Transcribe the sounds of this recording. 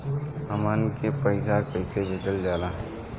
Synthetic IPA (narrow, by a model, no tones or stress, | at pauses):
ɦəmənkepəɪsakəɪsebʱet͡ʃəld͡ʒala